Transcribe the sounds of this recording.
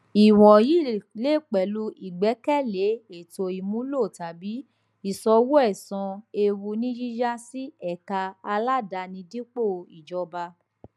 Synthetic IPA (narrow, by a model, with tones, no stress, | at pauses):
i˨w̃ɔ̃˨ji˨˦˨le˦˨k͡pɛ˨lu˧˦i˨ɡ͡bɛ˨˦kɛ˦˨le˨˦e˨to˧i˨mũ˨˦lo˦˨ta˨bi˨˦ | i˨sɔ˧wo˦ɛ˦˨sɔ̃˧e˧wu˧nĩ˦d͡ʒi˦d͡ʒa˦si˦ɛ˦˨ka˧a˧la˦da˧nĩ˧dĩ˦k͡po˦˨˧i˨d͡ʒɔ˧ba˧